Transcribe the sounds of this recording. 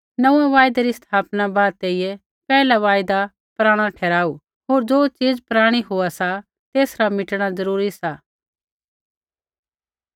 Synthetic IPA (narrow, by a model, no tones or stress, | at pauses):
nɐũːãʋaːjd̪eɾist̪ʰaːpnabaːd̪̚t̪eijɛ | pɛːlaʋaːjd̪a | pɾaːɽ̃ãʈʰɛːɾaːu | ɦoːɾd͡ʒoːt͡ʃiːd͡zpɾaːɽ̃iɦoasa | t̪eːsɾamɪʈɽ̃azɐɾuːɾisaː